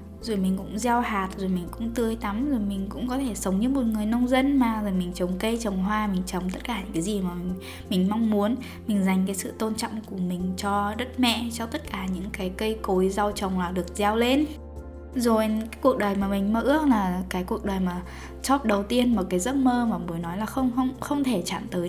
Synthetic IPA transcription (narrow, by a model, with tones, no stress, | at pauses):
zo˨˩jmï˨˩ŋ̟kʊ̰˧˥ŋ͡mza˧whaː˨˩t̚zo˨˩jmi˨˩ŋ̟kʊ̰˧˥ŋ͡mt̪ɨ˧əjt̪a˨˦mzo˨˩jmï˨˩ŋ̟kʊ̰˧˥ŋ͡mkɔ˨˦t̪ʰe˧˩sə˨˦wŋ͡mɲɨ̰˧˥mo˨˩t̚ŋɨ˨˩əjnə˧wŋ͡mzə˧nmaː˨˩zo˨˩jmï˨˩ŋ̟t͡ɕə˨˩wŋ͡mkə˧jt͡ɕə˨˩wŋ͡mɦwaː˧mï˨˩ŋ̟t͡ɕə˨˩wŋ͡mt̪ə˦˥t̚kaː˧˩ɲɨ̰˧˥ŋkaː˨˦zi˨˩maː˨˩˨ | mï˨˩ŋ̟ma˧wŋ͡mmu˨˦ən | mï˨˩ŋ̟za˨˩jŋ̟k̬aː˨˦jsɨ̰˧˨t̪o˧nt͡ɕɔ̰˧˨wŋ͡mku˧˩əmï˨˩ŋ̟t͡ɕɔ˧ɗə˦˥t̚mɛ̰˧˨t͡ɕɔ˧t̪ə˦˥t̚kaː˧˩ɲɨ̰˧˥ŋkaː˨˦jkə˧jko˨˦jza˧wt͡ɕə˨˩wŋ͡mlaː˨˩ɗɨ˨˩ək̚za˧wle˧n | zo˨˩jkaː˨˦jku˨˩ək̚ɗəː˨˩jmaː˨˩mï˨˩ŋ̟məː˧˩ʔɨ˦˥ək̚laː˨˩kaː˨˦jku˨˩ək̚ɗəː˨˩jmaː˨˩ | t͡ɕɔ˦˥p̚ɗə˨˩wt̪i˧ənma˨˩kaː˨˦jzə˦˥t̚məː˧maː˨˩mu˨˦jnɔ˨˦jlaː˨˩xə˧wŋ͡mxə˧wŋ͡mxə˧wŋ͡mt̪ʰe˧˩t͡ɕa̰ː˧˨nt̪əː˨˦